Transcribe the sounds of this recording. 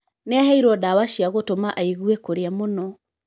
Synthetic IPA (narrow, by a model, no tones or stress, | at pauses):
neaɦɛiɾɔdawaʃiaɣotomaʔaiɣwekoɾeamonɔ